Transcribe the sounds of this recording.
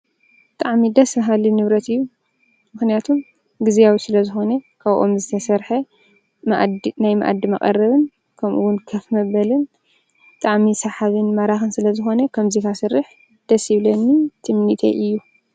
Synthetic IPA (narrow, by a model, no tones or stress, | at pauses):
bbɨt̪ʼaʕmid̪ɐsɐɦalːinɨβɾɐt̪ɨjːu | mɨxnijat̪ʰum | ɡɨzijawisɨlɐzɨxo̞nɐkʰaβʔo̞̰mzɨt̪ʰɐsɐɾħɐ | najmɐʔa̰d̪imɐkʼɐ̰rːɐβɨn | kʰɐmʔuwʊnkʰɐfmɐβɐlɨn | bɨt̪ʼaʕmisɐħaβɨnmɐɾaxɨnsɨlɐzɨxo̞nɐkʰɐmzikʰasɨrːɨħ | d̪̥ɐsiβlɐnːit̪ʰɨmnit̪ʰḛʔɨjːu